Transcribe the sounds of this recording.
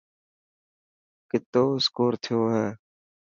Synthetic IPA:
kɪt̪oːskoːɾt̪ʰɪjoːɦɛː

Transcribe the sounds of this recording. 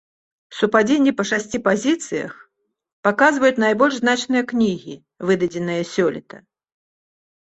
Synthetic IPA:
supad͡zʲenʲːɛpɐʂasʲt͡sʲipazʲit̪sɨjɐ̰x | pakazvɐjut͡sʲnajbɔlʲʐznat͡ʂnɨjɐknʲiɣʲi | vɨd̪ɐd͡zʲɛnɨjɐsʲɔlʲɛt̪ɐ

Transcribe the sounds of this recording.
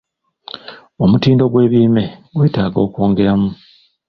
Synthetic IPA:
o̞mutiːndo̞ɡwe̞ːβiːme̞ɡwe̞ːtaːɡo̞ːko̞ːŋɡe̞ɾamu

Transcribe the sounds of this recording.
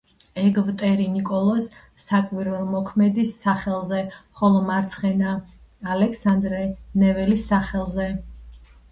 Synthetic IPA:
ɛɡvt̪ʼɛɾinikʼɔlˠɔsː | akʼwiɾvɛlˠmɔkʰmɛd̪isːaχɛlˠzɛχɔlˠɔmaɾt̪sʰχɛna | alɛkʰsand̪ɾɛnɛvɛlisːaχɛlˠzɛ

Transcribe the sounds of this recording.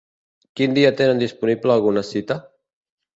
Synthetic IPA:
kind̪iat̪enənd̪ispunipləːlˠɣunəsit̪ə

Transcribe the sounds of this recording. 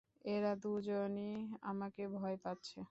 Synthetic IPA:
eɾad̪ud͡ʑonia̰makebʱɔepatːɕʰe

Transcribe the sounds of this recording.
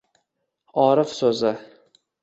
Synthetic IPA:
ɒɾɪfsɵzɪ

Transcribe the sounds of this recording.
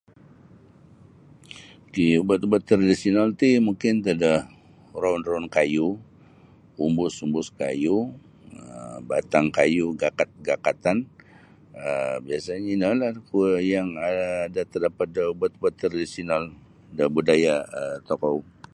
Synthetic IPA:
kiubət̪ubət̪ːɾadisiɔnalt̪imuŋkɪnt̪adəh | raunraunkaju | umbʊsumbʊska̰ju | əəbat̪aŋkajuɡakat̪̚ɡakat̪an | əbiasaɲainalahkjaŋadat̪ərdapat̪̚dəubət̪̚ubət̪ːɾadisiɔnal | dəbudajaət̪ɔkɔw

